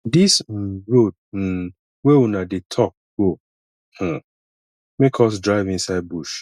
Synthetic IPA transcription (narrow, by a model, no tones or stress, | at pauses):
dis̩ɹod̚n̩ | weunadetʰɔk̚ɡo | h̩ | mekʰɔs̬dɹaɪvĩnsaɪd̚buʃ